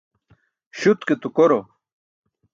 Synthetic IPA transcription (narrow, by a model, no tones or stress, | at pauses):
ɕut̪ket̪ukoɾo